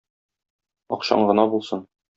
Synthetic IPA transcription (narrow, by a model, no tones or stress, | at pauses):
ɒ̰qɕɑ̰ɴɢɤ̆nɑbulˠsɤn